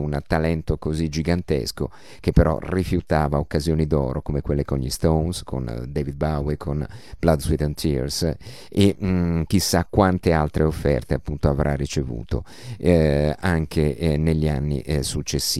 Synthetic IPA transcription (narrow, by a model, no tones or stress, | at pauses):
unt̪alɛnt̪okozid͡ʒiɡant̪ḛsko̰ | k̟epːeɾɔ̰rifjut̪aːvaokːazjoːnid̪ɔ̰ːɾokomekwelːekonʎist̪onskʰo̰nd̪eːvid̪̚bawejkʰonblad̪swid̪ɛnt̪ʰḭɾs | ek̟isːakːwant̪ealt̪ɾʔeofːɛ̰rt̪eapːunt̪oavɾʔarːit͡ʃevṵːt̪o̰ | aŋkʰeneʎːia̰nːḭsut͡ʃːesːiː